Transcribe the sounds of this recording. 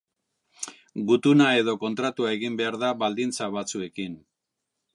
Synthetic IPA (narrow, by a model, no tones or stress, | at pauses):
ɡut̪unae̞ðo̞ko̞nt̪ɾat̪uae̞ɣimbe̞aɾðaβald̪int͡saβat͡sue̞kin